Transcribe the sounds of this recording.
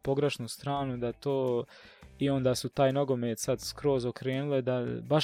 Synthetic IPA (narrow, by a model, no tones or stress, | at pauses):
po̞ɡɾeʃnust̪ɾaːnud̪at̪oː | io̞nd̪aːsut̪aːjno̞ɡo̞meːt̪sad̪skɾo̞ːzokɾe̞ːnuled̪abaʃ